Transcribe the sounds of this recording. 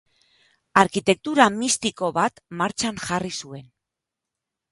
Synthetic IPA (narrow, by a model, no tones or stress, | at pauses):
aɾkit̪e̞k̚t̪uɾamist̪iko̞βat̪maɾt͡ʃanʝarisue̞n